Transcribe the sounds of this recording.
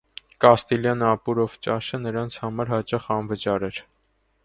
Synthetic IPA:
kɑst̪iljɑnɑpuɾɔvt͡ʃɑʃənəɾɑnt͡sʰhɑmɑɾhɑt͡ʃɑχɑnvət͡ʃɑɾɛɾ

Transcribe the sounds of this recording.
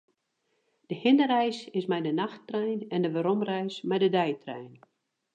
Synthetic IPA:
d̥əhɪnəɾɛjsɪsmɛjdənaxtrɛjnɛndəʋəɾomrɛjsmɛjdədɛjtrɛ̰jn

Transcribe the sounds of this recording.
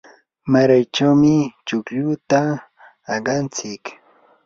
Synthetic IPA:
maɾajt͡ʃawmɪt͡ʃʊkʎʊt̪aː | ɢɑnt͡sɪk

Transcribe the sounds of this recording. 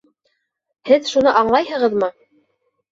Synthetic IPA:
hɘðʃunɤʔɑɴlˠɑjhɤ̆ʁɤ̆ðmɤ

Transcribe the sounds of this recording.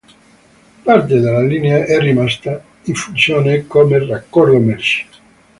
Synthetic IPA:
part̪̬ed̪alːalineaʔɛrːimast̪a | iɱfunsjoːnekomerakːoromɛɾt͡ʃi̥

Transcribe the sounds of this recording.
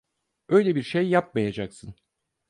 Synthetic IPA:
øjlʲebiɾʃejːap̚majad͡ʒaksɯn

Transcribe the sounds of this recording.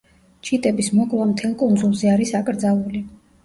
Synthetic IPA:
t͡ʃʰit̪ʼɛbismɔkʼlˠamt̪ʰɛlˠkʼund̪zulˠzɛaɾisakʼɾd̪zalˠuli

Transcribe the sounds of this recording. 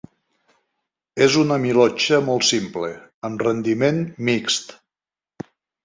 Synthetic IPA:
ezunəmilɔt͡ʃəmɔlˠt̪simpleəmrənd̪imenmikst̪

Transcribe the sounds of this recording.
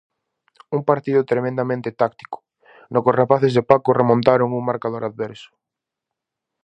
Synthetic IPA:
uŋpaɾt̪iðʊt̪ɾemẽnd̪amẽnt̪ɪt̪akt̪i̥kʊ̥ | nokosrapaθezðepakʊremõnt̪aɾoŋuŋmaɾkaðoɾaðβɛɾsʊ̥

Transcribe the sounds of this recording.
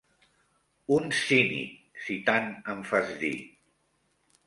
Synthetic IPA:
unsinḭsit̪anəɱfazðḭ

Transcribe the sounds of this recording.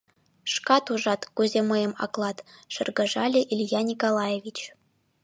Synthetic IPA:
ʂkɑt̪uʐɑt̪kuzʲemɤ̆jɤ̆mɑ̰klˠɑt̪ʃɘ̆rɡɤ̆ʐɑlʲeʔilʲjɑnʲikolˠɑjevʲit͡ɕ

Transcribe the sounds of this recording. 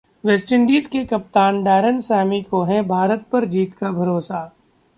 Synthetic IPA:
ʋeːsʈɪ̃ɳɖiːzkekɐp̚t̪aːnɖɛːɾənsɛːmikoɦɛ̃bʱaːɾət̪̚pɐɾd͡ʒiːt̪kabʱɐɾoːsa

